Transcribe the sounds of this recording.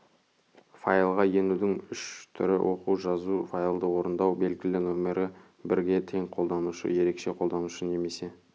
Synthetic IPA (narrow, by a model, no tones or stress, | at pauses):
fajlˠʁɑje̞nud̪ɪŋʏʃt̪ʰʏ̰ɾɪ̰wʔo̞quʒɑzufajlˠd̪əwo̞ɾənd̪ɑwbe̞lɡʲɪlɪnome̞ɾʔɪ | bɪɾɡʲe̞t̪ʰe̞ŋqʰo̞lˠd̪ɑnuʃə̰je̞ɾe̞kʃe̞qʰo̞lˠd̪ɑnuʃəne̞me̞se̞